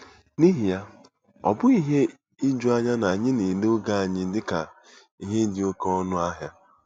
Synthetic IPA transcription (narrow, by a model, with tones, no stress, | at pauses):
ni˦ɦi˨ja˦ | ɔ̰˨bʊ˦i˦ɦe˦ | i˦d͡ʒu˦a˦ɲa˦na˨a˨ɲɪ˦ni˨lʊ˦ɡa˦a˨ɲɪ˦n̩˦dɪ˦ka˨ | i˦ɦe˦n̩˦dɪ˦o˦ke˦ɔ˦nʊ˦a˦ɦja˦